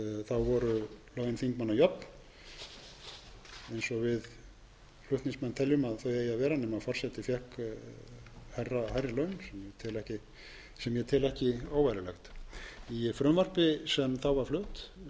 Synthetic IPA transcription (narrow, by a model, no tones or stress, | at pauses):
θawvɔɾʏlœɥnθiŋkmanːajɔpn | ɛejnsɔɣvɪð | flʏht̪nĩŋsmɛnːt̪ʰɛljʏmaðθœɥejaðvɛːɾanɛmaðfɔr̥sɛt̪ɪfjɛhk | hajrːahajɾɪlœːɥnsɛmjɛt̪ʰɪlɛhcɪ | sɛmjɛt̪ʰɪlɛhcɪaːwvajɾɪlɛxt̪ifɾʏmvar̥pɪsɛmθawvaɾ̥flœːht̪